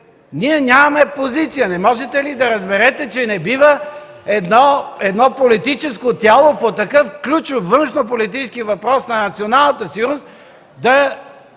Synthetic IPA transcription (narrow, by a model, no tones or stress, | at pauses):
niɛnʲamɐmɛpozit̪sijənɛmɔʒɛt̪ɛlid̪ɐɾɐzbɛɾɛt̪ɛt͡ʃɛnɛbivə | ɛd̪nɔɛd̪nɔpolit̪it͡ʃɛskot̪ʲalˠopot̪ɐkɤfklʲut͡ʃofːənʃnop̬olit̪it͡ʃɛskivɐpɾɔsnɐnɐt̪sionalˠnət̪əsiuɾost̪ | d̪ɐ